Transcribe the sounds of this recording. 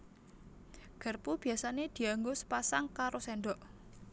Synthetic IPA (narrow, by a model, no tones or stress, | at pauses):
ɡ̥ə̤rpub̥i̤jasaned̪̥i̤aŋɡosə̥pasaŋkaɾosɛɳɖɔʔ